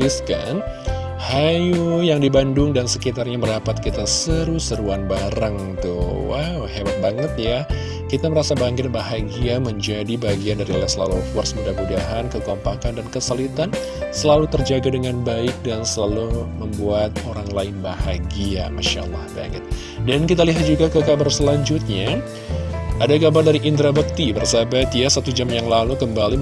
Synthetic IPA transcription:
iska̰n | hajujaŋdibandʊŋdansəkit̪arɲaməɾapat̪̚kit̪asəɾusəɾuanbaɾaŋ | t̪ṵwa̰whebat̪̚baŋət̪̚ja | kit̪aməɾasabaŋkɪt̪̚baɦaɡiaməɲd͡ʒadibaɡiandaɾiolasəla̰luɔfərsəmudamudaɦankəɡɔmpakandankəsalit̪an | səlalut̪ərd͡ʒaɡadəŋanbaɪk̚dansəlaluməmbuat̪̚oɾaŋlaɪnbahaɡia̰maʃa̰lːa̰hba̰ŋɪ̰t̪̚ | dankit̪aliɦat̪̚d͡ʒuɡakəkabarsəlaɲd͡ʒut̪̚ɲa | ʔadakabardaɾiʔint̪ɾabək̚t̪ibərsabat̪jasat̪ud͡ʒamjaŋlalukəmbali

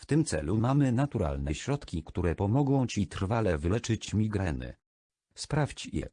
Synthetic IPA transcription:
ft̪ɘmt̪sɛ̰lumamɘnat̪uɾa̰lnɛɕɾɔt̪kʲikt̪uɾɛpɔmɔɡɔ̃w̃t͡ɕit̪r̥valɛvɘlɛt͡ʂɘt͡ɕmʲiɡɾɛnɘ̰ | spɾaft͡ɕjɛ̰

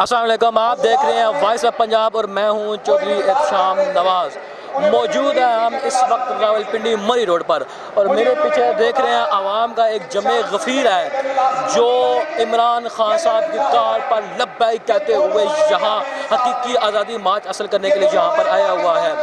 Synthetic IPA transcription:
ɐslaːmɐleːkʊ̃maːp̚d̪eːkʰɾɐɦẽɦɛ̃ʋaːɪsəpɐ̃ɲd͡ʒaːbɔːɾmɛ̃ːɦũt͡ʃoːd̪ɾieːkʃaːmnɐʋaːz | mɔːd͡ʒuːd̪ɦɛɦɐmɪsʋɐq̚t̪ɪɾaːʋəlpɪ̃ɳɖimɐɾiɾoːɖpɐɾ | ɔːɾmeːɾepiːt͡ʃʰed̪eːkʰɾɐɦeɦɛ̃ʔɐʋaːmkaeːk̚d͡ʒɐmeɣɐfiːɾɦɛːd͡ʒoːɪmɾaːnxaːnsaːb̚kekaːɾpɐɾlɐbːaːikɛːt̪eɦʊejɐɦãɦɐkiːkiaːzaːd̪imaːt͡ʃɐsəlkɐɾnekeliejɐɦãpɐɾaːjaɦʊaɦɛː

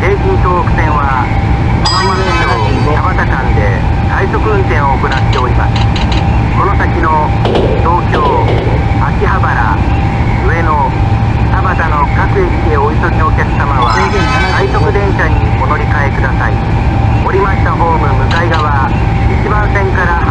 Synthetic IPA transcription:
ke̞ːkʲĩnt̪oːokɯ̟̥t̪ẽ̞ɰ̃βa | konomameno | t̪abat̪akãnd̪e̞ | t̪aiso̞kɯ̟ɯ̟̃nkẽ̞ɰ̃o̞ːkonat̪ːe̞o̞ɾʲima̰sɨ̥ | ko̞no̞sakʲino̞ | t̪o̞ːkʲo̞ː | akʲiɦabaɾa̰ | ɯ̟e̞no̞ | sabat̪ano̞kakɯ̟ikʲiɲioçi̥t̪oɕokʲakɯ̥samaβa | k̪aiso̞kɯ̟d̪ẽ̞ɰ̃ɕaɲ̟iono̞ɾʲikae̞kɯ̟d̪asai | oɾʲimaɕi̥t̪aɦo̞ːmɯ̟mɯ̟kaiɡaβa | it͡ɕimãñsẽ̞ŋkaɾah

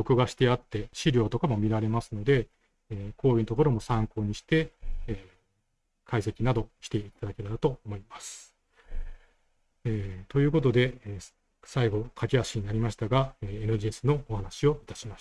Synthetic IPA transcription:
o̞kɯ̟ɡaɕi̥t̪e̞at̪ːe̞ɕiɾʲo̞ːt̪o̞kamomʲiɾaɾe̞masɨno̞d̪e̞ | kʰo̞ːjɯ̟t̪o̞ko̞ɾo̞mo̞sãŋko̞ːɲ̟iɕi̥t̪e̞ | kʰaise̞kʲinad̪o̞çʲi̥t̪e̞it̪ad̪ake̞ɾaɾat̪o̞ːmo̞imasɨ̥ | et̪o̞jɯ̟ːko̞t̪o̞d̪e̞ | saiɡo̞kʰakʲiaɕiɲ̟inaɾʲimaɕi̥t̪aɡaeenɯʑisɨno̞ːhanaɕio̞it̪ḁɕimaɕ

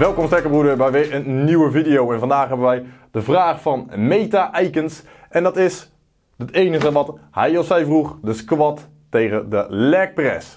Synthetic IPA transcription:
ʋɛlˠkɔmstɛɹkəbrudəbɛjʋɪːɹənːiwəvidɪjowɛnvɑndaːχɦɛbənʋɛjd̥əvraːχfɑnmejtaʔɛjkəns | ʔɛndɑtɪs | dətejnəχəʋɑthɛjɔfsɛjvruχdəskʋɔtː | ejχədəlɛk̚prɛ̰s

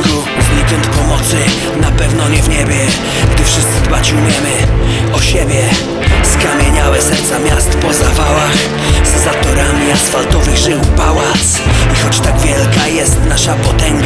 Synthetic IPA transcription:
ɡu | vlʲikʲɛnt̪pɔmɔt̪sɘ | napɛvnɔɲɛvɲɛbʲjɛ | ɡd̪ɪfʂɘst̪sɘd̪bat͡ɕɛumʲjɛmɘɔɕɛbʲjɛ | skamʲjɛɲawɛsɛɾt̪samʲjast̪pɔzavawax | zzat̪ɔɾamʲiasfalt̪ɔvɘɣʐɘmupawat̪sixɔt͡ɕt̪aɡvʲjɛlkajɛst̪naʂapɔt̪ɛŋɡ

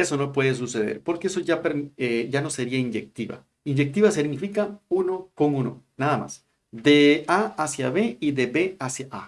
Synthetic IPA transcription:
eso̞no̞pwe̞ðes̬use̞ðḛɾpo̞ɾkeesoʝapeɾeʝano̞se̞ɾiaind͡ʒek̚t̪iβa̰ | ind͡ʒek̚t̪iβas̬iɡnifikauno̞ko̞ŋuno̞̰naðama̰s | d̪eaasjaβe̞iðe̞be̞asjaʔa

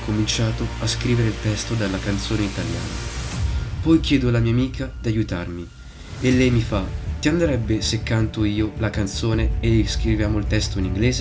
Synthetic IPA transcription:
kʰomint͡ʃaːt̪oaskɾiːveɾeilt̪ɛst̪od̪alːakant̪soːneit̪alja̰ːna̰ | pɔjk̟jɛːd̪olamiːamiːkʰad̪iajut̪a̰rmi | elːɛjmifat̪iand̪eɾɛbːesekːant̪oiːolakant̪soːneeskɾivjaːmoilt̪ɛst̪oiniŋɡleːze

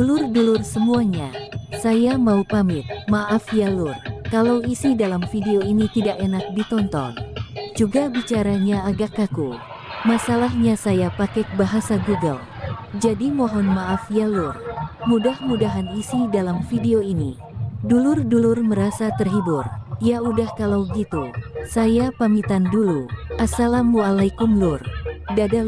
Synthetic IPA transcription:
dulʊrdulʊrsəmuaɲasajamaupamɪt̪̚maʔafjalurkalawisidalamfideoinit̪idaʔenak̚dit̪ɔnt̪ɔ̰ŋd͡ʒuɡabit͡ʃaɾaɲaːɡakːaku | masalahɲasajapakɛk̚baɦasaɡuɡə̰l | d͡ʒadimɔɦɔnmaʔafjalʊrmudahmudaɦanisidalamfideoini | dulʊrdulʊrməɾasat̪ərɦibʊrjaudahkalawɡit̪usajapamit̪anduluʔasalamualajkumlʊrdada

